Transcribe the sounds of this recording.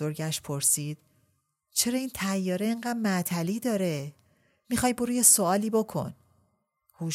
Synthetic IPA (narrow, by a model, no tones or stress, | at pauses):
oɾɟæʃpʰo̞ɾsiːd̪̥ | t͡ʃʰe̞ɾɒːiːnt̪ʰæjːɒːɾeːŋɢæːd̪mæt̪ʰæliːd̪ɒːɾe | mixɒːjboɾuːjesoɒːliːbo̞kʰo̞̰n | huː